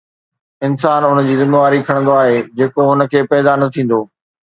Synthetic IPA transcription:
ɪnsaːnʊnəd͡ʑiːzɪmeʋaːɾikʰɐɽ̃nd̪oaːɦeːd͡ʑeːkoʊnə̆kʰeːpɛːd̪anɐt̪ʰĩːn̆d̪oː

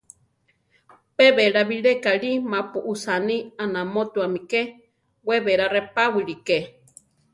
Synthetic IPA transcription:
peβeɺaβiɺekaɺimapuʔusanianamot̪uamike | weβeɾarepawiɺike

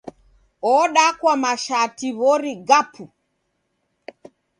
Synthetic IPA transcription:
ɔɗakwamaʃatiβɔɾiɡapʰu

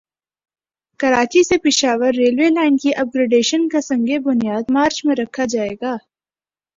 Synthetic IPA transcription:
kɐɾaːt͡ʃisepɪʃaːʋəɾːeːlʋeːlaːɪnɖkiʔɐb̚ɡɾeɖeːʃənkasɐ̃ŋɡebʊnijaːd̪maːɾt͡ʃmẽɾɐkʰad͡ʒaːeːɡaː

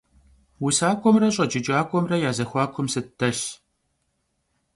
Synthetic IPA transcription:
wʊsaːkʷʼɔmrɐɕʼɐd͡ʒɪt͡ʃʼaːkʷʼɔmrɐjaːzɐxʷɑːkʷʰʊmsɨtʰːɐɬ

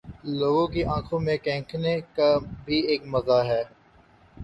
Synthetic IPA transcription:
loːɡõkiʔãːkʰõmẽkɛ̃ːkʰnekabʱieːkmɐzaɦɛː

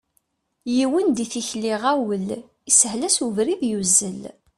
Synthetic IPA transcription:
jiwənd̪iθiçliʁæwəl | isəhlæsuvɾiðjuzːəl

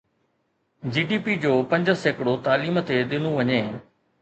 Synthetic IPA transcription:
d͡ʑiːɖiːpid͡ʑoːpɐ̃ɲd͡ʑəseːkɽot̪aːliːmt̪eɗɪnũʋɐɲẽː

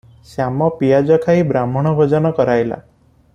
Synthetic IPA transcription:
samɔpijad͡ʒɔkʰaibɾamɔɽ̃ɔbʱɔd͡ʒɔnɔkɔɾajla̰

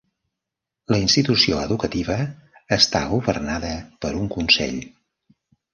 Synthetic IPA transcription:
ləinst̪it̪usioəðukət̪iβəːst̪aɣuβərnaðəpəɾuŋkunsɛ̰ʎ

